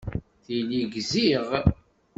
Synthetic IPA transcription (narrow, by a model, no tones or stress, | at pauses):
θiliɡziʁ